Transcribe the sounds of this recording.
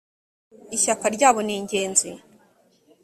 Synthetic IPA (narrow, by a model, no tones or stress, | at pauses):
içakaɾɟaːβo̞niːɲɟe̞ːnzi